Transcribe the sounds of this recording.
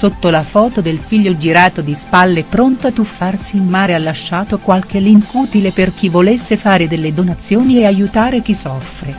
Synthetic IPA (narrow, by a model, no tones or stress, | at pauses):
sot̪ːolafɔːt̪od̪elfiʎːod͡ʒiɾaːt̪od̪ispalːepɾont̪oat̪ːufːarsiːnmaːɾealːaʃːaːt̪okwalkeliŋkuːt̪ileperk̟ivolesːefaːɾed̪elːed̪onat̪sːjoːnieajut̪aːɾek̟isːɔfɾe